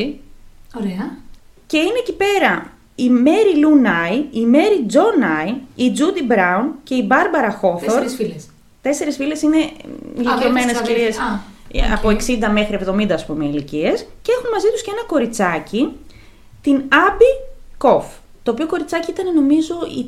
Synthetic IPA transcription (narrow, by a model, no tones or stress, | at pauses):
ioɾeɐ | ce̞ineːcipe̞ɾɐ | ime̞ɾilunɐjime̞ɾid͡zo̞nɐjid͡zud̪ibɾɐunce̞ibɐɾbɐɾɐxo̞θoɾ | t̪e̞se̞ɾesfile̞sine̞ilikiomenesfilies | ɐ̰poeksind̪ɐme̞xɾie̞vðo̞mind̪ɐːspume̞iliciescee̞xunmɐzit̪uscee̞nɐko̞ɾit͡sɐci | t̪inɐbiko̞f | t̪oːpioko̞ɾit͡sɐciit̪ɐne̞no̞mizo̞i